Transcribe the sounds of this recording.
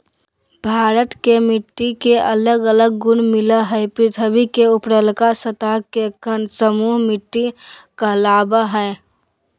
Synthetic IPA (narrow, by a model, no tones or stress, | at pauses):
bʱaːɾət̪kemɪʈːikeələɡələɡ̚ːʊnmɪlaɦɛɛpɾɪt̪ʰəbikeʊpɾəlkasət̪akekənsəmuːɦmɪʈːikalaːbaɦɛ